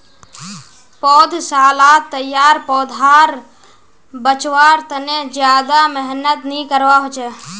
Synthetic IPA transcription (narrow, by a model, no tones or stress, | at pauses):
pɔːd̪ʱsəɦalat̪ːəjaɾpɔːd̪ʱaɾ | bət͡ʃʋaɾt̪əned͡ʒjad̪aməɦnət̪nikəɾʋaɦot͡ʃʰɛ